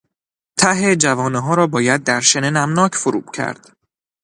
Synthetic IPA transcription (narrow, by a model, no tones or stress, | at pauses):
t̪ʰæɦed͡ʒævɒːneɦɒːɾɒːbɒːjæd̪̚ːæɾʃenenæmnɒːcʰfoɾṵːb̥cʰæ̰ɾd̪̥